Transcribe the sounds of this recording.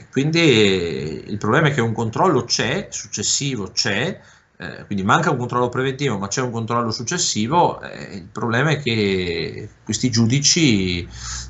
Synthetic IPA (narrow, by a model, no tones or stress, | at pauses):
kwind̪i | ḭlpɾoblɛːmaɛk̟ːeuŋkont̪ɾɔlːot͡ʃɛsut͡ʃːesːiːvot͡ʃɛ̰ | kwind̪imaŋkauŋkont̪ɾɔlːopɾevent̪iːvomat͡ʃːɛuŋkont̪ɾɔlːosut͡ʃːesːiːvoɛ̰ilpɾoblɛːmaɛkːe | kwest̪id͡ʒuːd̪it͡ʃi